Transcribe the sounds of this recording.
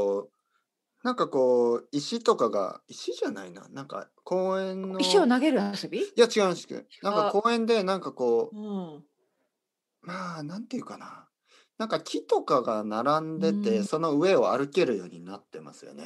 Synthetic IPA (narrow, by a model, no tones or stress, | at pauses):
o | nãŋkako̞ːiɕit̪o̞kaɡa̰iɕiʑanaina̰nãŋka̰ | ko̞ːẽ̞nːoiɕonaɡe̞ɾɯasobʲiiat͡ɕiɡaɯmasɨ̥t̪ːḛnãŋkako̞ːẽ̞nd̪e̞nãŋkako̞ː | maːnãnt̪eɯ̟kana | nãŋkakʲit̪o̞kaɡanaɾãnd̪e̞t̪e̞so̞no̞ɯ̟e̞o̞a̰ɾɯ̟ke̞ɾɯ̟jo̞̰ːɲ̟inat̪ːe̞̰ma̰sɨjo̞̰nḛ